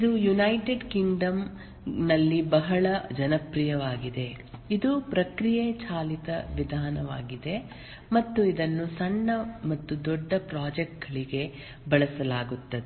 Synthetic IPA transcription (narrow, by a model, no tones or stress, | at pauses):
id̪ujunɐjʈeɖkiŋɖɐm | nɐlːibɐɦɐɭɐd͡ʒɐnɐpɾijɐʋaːɡid̪e̞ | id̪upɾɐkɾijet͡ʃaːlit̪ɐʋid̪ʱaːnɐʋa̰ːɡid̪e̞ | mɐt̪ːuid̪ɐnːusɐɳːɐmɐt̪ːud̪ɔɖːɐpɾaːd͡ʒɛk̚ʈɐɭiɡe̞ | bɐɭɐsɐlaːɡut̪ːɐd̪e